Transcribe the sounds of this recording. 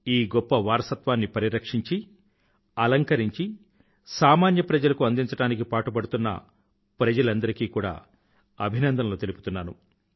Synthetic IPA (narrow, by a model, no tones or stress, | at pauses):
iːɡɔpːɐʋaːɾɐsɐt̪ʋaːnːipɐɾiɾɐkʂiɲt͡ʃi | ɐlɐŋkɐɾiɲt͡ʃi | saːmaːnjɐpɾɐd͡ʒɐlɐkuɐnd̪iɲt͡ʃɐʈaːnik̬ipaːʈupɐɽut̪unːɐ̰ | pɾɐd͡ʒɐlɐnd̪ɐɾikiːkuːɽa̰ː | ɐbʱinɐnd̪ɐmlo̞ːt̪e̞lupu̥t̪unːaːnṵ